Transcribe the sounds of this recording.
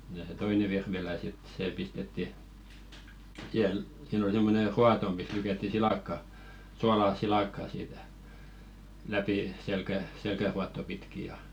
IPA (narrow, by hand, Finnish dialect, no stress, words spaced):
jɑ se toine ʋirʋilæ sit seː pistetːi sihel siːn ol semːone ruɑto mis lykætːi silɑˑkːɑ suɑlɑː silɑkːɑː siːtæ læpi selkæ selkæruɑtːo pitki jɑ